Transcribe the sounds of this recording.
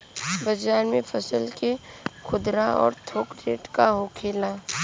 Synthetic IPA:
bəd͡ʒaːɾmẽpʰɐsəlkekʰʊd̪ɾaɔ̰ːɾt̪ʰoːkɾeːʈkaɦoːkʰeːla

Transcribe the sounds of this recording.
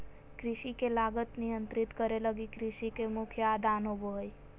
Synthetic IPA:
kɾɪʃikelaɡət̪nijənt̪ɾit̪kəɾeləɡikɾiʃikemʊkʰjəad̪ʱanobooj

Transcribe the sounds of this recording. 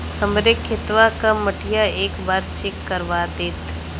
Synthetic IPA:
həmɾekʰɪt̪ʋakaməʈɪjaeːkbaːɾt͡ʃekːəɾʋad̪eːt̪

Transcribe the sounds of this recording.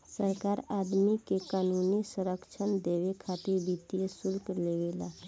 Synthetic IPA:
səɾkaːɾaːd̪mikekaːnuːnisəɾəkʃʰənd̪eːʋekʰat̪iɾbit̪ijesʊlkleːʋela

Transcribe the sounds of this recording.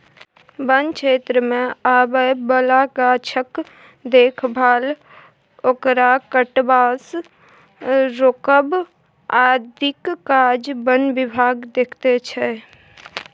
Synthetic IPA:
bənkʰeːt̪ɾəmẽaːbəbəlakaːt͡ʃʰək | d̪eːkʰbʱaːl | oːkɾakəʈbaːs | ɾoːkəb | aːd̪ɪkːaːd͡ʒbənʋɪbʱaːɡd̪eːkʰt̪et͡ʃʰɛ

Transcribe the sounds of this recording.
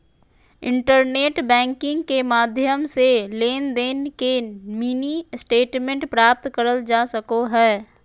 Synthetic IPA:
ɪ̃ɳʈəɾneːʈbɛ̃ːŋkɪ̃ŋɡkemaːd̪ʱjəmseleːnd̪eːnkemiːnisʈeːʈmẽɳʈpɾaːp̚t̪kəɾəld͡ʒaːsəkoɦɛː

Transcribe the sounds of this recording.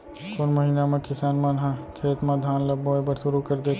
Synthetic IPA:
kʊnmɐɦinamẽkɪsaːnmanɦãkʰeːt̪mãd̪ʱaːnlɐbːoːjbəɾʃʊɾukɐɾd̪eː

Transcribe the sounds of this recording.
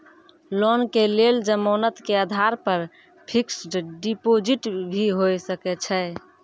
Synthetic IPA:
lɔnkeleld͡ʒəmonət̪keəd̪ʱaɾpəɾ | pʰiksɖɖipod͡ʒiʈbʱiɦojsəkɛt͡ʃʰɛ

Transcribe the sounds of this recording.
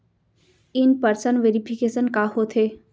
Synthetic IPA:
ɪnpəɾsənʋeːɾipʰɪkeːsənkaɦot̪ʰɦeː

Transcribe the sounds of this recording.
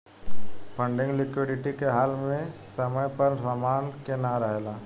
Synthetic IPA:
pʰə̃ɳɖɪ̃ŋɡlɪkwɪɖɪʈikeɦaːlmẽsɐməjpəɾɾəmaːnkenaɾəɦelaː

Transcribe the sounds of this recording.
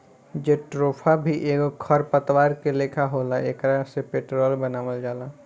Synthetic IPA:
d͡ʒeʈɾoːpʰabʱiʔeːɡkʰɐɾpət̪waːɾkeleːkʰaɦoːlaeːkɾasepeːʈɾɔːlbɐnaːʋəld͡ʒaːlaː

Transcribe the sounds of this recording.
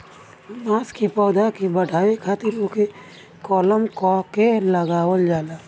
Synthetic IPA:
maːskipɔːd̪akibəɖʱaːikʰaːt̪ɪɾoke | kɔːləmkɔkeləɡaːwəld͡ʒaːlaː

